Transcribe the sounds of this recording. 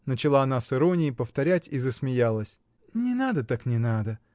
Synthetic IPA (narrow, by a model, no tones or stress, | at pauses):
nət͡ɕɪlˠaɐnasɨɾo̞nʲɪjɪpəft̪ɐɾʲætʲizəsmʲɪjalˠəsʲ | nʲɪnad̪ət̪aknʲɪnad̪ə